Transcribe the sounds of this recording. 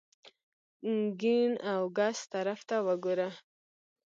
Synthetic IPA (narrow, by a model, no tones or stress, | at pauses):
ɡinawɡast̪aɾaft̪awəɡuɾa